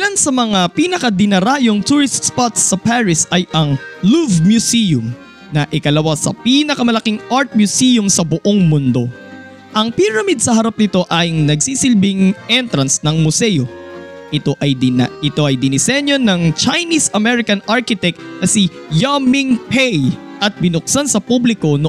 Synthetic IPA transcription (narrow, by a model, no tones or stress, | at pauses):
lansɐmɐŋapiːnɐkɐd̪ɪnɐɾaːjoŋt̪uɹɪst̪spat̪sːɐpaɹɪsɐjʔɐŋluvmjʊsijʊm | nɐʔɪkɐlɐwasɐ̰pinɐkɐmɐlɐkiŋʔaɹt̪̚mjʊsijʊmsɐbʊʔoŋmʊnd̪o̞ | ʔɐŋpɪɾɐmid̪̚sɐɦɐɾap̚nɪt̪o̞ʔɐjŋnɐɡsiːsɪlbɪŋʔɛnt̪ɾɐnsnɐŋmʊsɛjo̞ʔɪt̪o̞ʔɐjʔɪt̪o̞ʔɐjd̪ɪnɪsɛnjonɐŋt͡ʃɐjnisɐmɛɾɪkɐnaɹkɪt̪ɛk̚nɐsijamiŋpʰɛjʔɐt̪̚bɪnʊk̚sansɐpublɪko̞no